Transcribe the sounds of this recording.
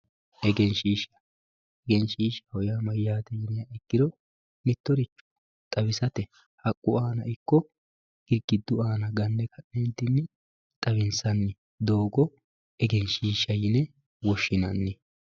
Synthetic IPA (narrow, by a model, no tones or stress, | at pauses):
ʔɛɡɛnʃiːʃɐ̥ | ɛɡɛnʃiːʃɐ̥hɔjamɐjːaːt̪ɛjɪnɪjɐɛɡːɪd̪ɔ | mɪt̪ːɔɾɪt͡ʃːʊ̥ | t̪ʼɐβɪsɐt̪ɛ | hɐkʼːʊaːnɐɪkːɔ | ɡ̥ɪɡɪd̪ːʊaːnɐɡɐnːɛkʰɐʔnɛnt̪ːɪnːɪ | t̪ʼɐβɪnsɐnːɪ | d̪o̞ːɡɔ | ɛɡɛnʃiːʃːɐjɪnɛ | wɔʃːɪnɐnːɪ